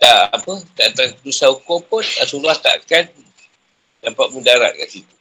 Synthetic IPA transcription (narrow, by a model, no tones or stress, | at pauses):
t̪aʔapət̪aʔt̪andusaukopʊnt̪a̰ʔsulaht̪a̰ʔkan | nampaʔ̚mudaɾa̰ʔ̚ka̰ʔsit̪u